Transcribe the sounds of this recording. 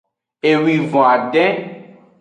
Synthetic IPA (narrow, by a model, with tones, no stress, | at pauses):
e˨wi˨vɔ̃˨a˨ɖɛ̃˦